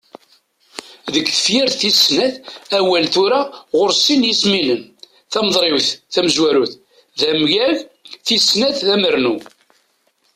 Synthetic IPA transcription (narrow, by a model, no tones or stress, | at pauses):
ðəkːθə̥fjiɾθisːnæðæwælt̪ʊɾaʁʊɾsinjisminən | θæmðˤɾˤɪwθθæməzwæɾuθ | ðæmʝæʝθisnæθðæməɾnu